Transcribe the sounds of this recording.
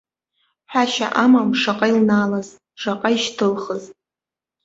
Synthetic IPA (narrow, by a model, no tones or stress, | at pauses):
ħʷaʃa̰ʔamamʂaqʼailnaːlaz | ʂaqʼaiʃtʰɨlχəz